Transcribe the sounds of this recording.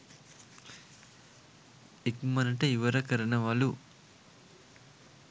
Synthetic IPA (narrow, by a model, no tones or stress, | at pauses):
ekmɐnɐʈɐiʋɐɾɐkɐɾɐnɐʋalu